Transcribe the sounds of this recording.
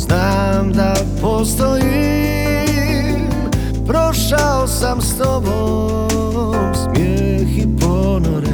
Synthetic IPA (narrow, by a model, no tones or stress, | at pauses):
zna | md̪a | pɔst̪ɔji | pɾɔʂaɔsamst̪ɔbɔ̃ | smʲjɛ | xipɔ | nɔɾ